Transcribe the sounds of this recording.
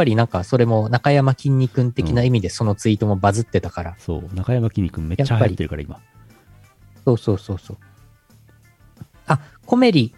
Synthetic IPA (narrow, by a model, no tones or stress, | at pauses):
pːaɾʲinãŋkaso̞ɾe̞mo̞nakajamakʲĩɲ̟ʲːikɯ̃nt̪e̞kʲinaimʲid̪e̞so̞no̞t͡sɨit̪o̞mo̞bazɨt̪ːe̞t̪akaɾaso̞̰ːnakajamakʲĩɲːikɯ̟̃mme̞jat͡ɕːahaːaatiːeɾɯ̟kaɾaima | so̞ːso̞ːso̞ːso̞ː | a | ko̞me̞ɾʲi